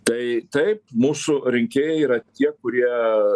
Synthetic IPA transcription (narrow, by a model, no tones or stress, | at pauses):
t̪ɐɪt̪ɐɪp̚muːsʊɾʲɪŋʲkʲeːjɛiːɾɐt̪ʲiɛkʊɾʲiɛ